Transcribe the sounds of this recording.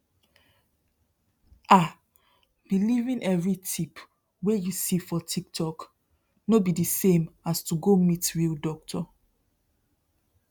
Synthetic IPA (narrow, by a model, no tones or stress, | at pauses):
a | b̥ilivĩnʔɛvɹitʰip | wejusifɔtʰiktʰɔk | nobidisẽmastuɡomitɹildɔk̚tʰɔ